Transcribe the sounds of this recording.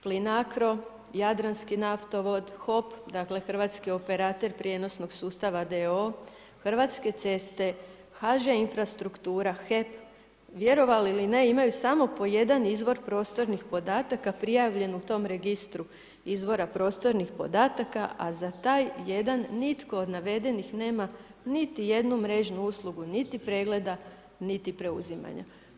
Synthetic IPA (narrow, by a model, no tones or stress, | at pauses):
plinakɾo̞ | jad̪ɾanskinaft̪o̞ʋo̞d̪xo̞pd̪akle̞xr̩ʋaːt̪skio̞pe̞ɾaːt̪e̞ɾpɾʲje̞no̞sno̞ɡsuːst̪aʋad̪eo | xr̩ʋat̪ske̞t̪se̞st̪e̞ | xaʒeinfɾast̪ɾukt̪uːɾaxe̞p | ʋje̞ɾo̞ʋaliline̞imajusamo̞po̞je̞d̪anizʋo̞ɾpɾo̞ːst̪o̞ɾnixpo̞d̪aːt̪akapɾijaʋʎe̞nut̪o̞mɾe̞ɡist̪ɾu | izʋo̞ɾapɾo̞ːst̪o̞ɾnixpo̞d̪aːt̪akaazat̪aːjje̞d̪anːit̪ko̞od̪naʋe̞d̪e̞nixne̞ːmanit̪ije̞d̪numɾe̞ʒnuuslˠuɡunit̪ipɾe̞ːɡle̞d̪a | nit̪ipɾe̞ṵzima̰ɲa̰